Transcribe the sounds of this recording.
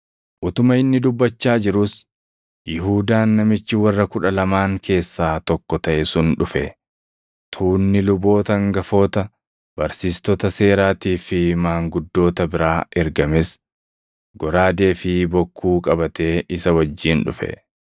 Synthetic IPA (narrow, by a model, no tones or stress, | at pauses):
ʔʊt̪ʊmɐɪnːɪd̪ʊbːɐt͡ʃːaːd͡ʒɪɾʊs | jɪɦuːd̪aːnːɐmɪt͡ʃːɪwɐrːɐkʊᶑɐlɐmaːŋkʰe̞ːsːaːt̪ɔkːɔt̪ɐʔɛsʊnᶑʊfɛ | t̪ʰuːnːɪlʊbo̞ːt̪ɐŋɡɐfo̞ːt̪ɐ | b̥ɐɾsiːst̪ɔt̪ɐse̞ːɾaːt̪iːfɪmaːŋɡʊd̪ːo̞ːt̪ɐbɪɾaːʔɛɾɡɐmɪs | ɡɔɾaːd̪e̞ːfɪbɔkːuːkʼɐbɐt̪e̞ːɪsɐwɐd͡ʒːiːnᶑʊ̰fɛ̰